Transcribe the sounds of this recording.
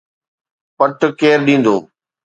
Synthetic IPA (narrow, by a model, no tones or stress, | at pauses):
pəʈkeːɾɗĩːn̆d̪o̰ː